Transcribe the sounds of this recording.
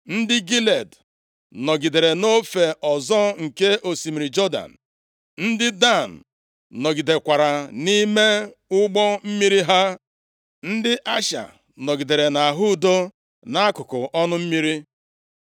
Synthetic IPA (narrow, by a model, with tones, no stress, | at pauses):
n̩˦dɪ˦ɡi˦le˨d | nɔ˨ɡi˨de˨ɾe˨no˦fe˨ʔɔ˨zɔ˦ŋ̩˨ke˦ʔo˨si˨mi˨ɾi˨d͡ʒɔ˦da̰˨n̩˨ | n̩˦dɪ˦da˦˨n̩ː˨ | ɔ˨ɡi˨de˨kʷa˨ɾa˨ni˦me˦ʊ˦ɡ͡bɔ˦m̩˦mi˦ɾi˦ɦa˦ | n̩˦dɪ˦ʔa˦ʃa̰˨ | nɔ˨ɡi˨de˨ɾe˨na˨ɦʊ˦˨do˦ | na˦a˦kʊ˨kʊ˨ʔɔ˦nʊ˦m̩˦mi˦ɾi˦